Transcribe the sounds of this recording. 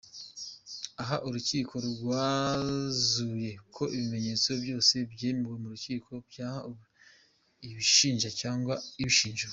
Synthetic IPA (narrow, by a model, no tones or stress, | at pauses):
aɦaʔuɾuciːkʰo̞ɾɡwaː | zuje̞kʰo̞ʔiβime̞ɲe̞ːt͡so̞bjo̞ːse̞bɟeːmbɡe̞muɾuciːkʰo̞bjaːha | iβiʃiːnʒacaːŋɡwaiβiʃiːnʒu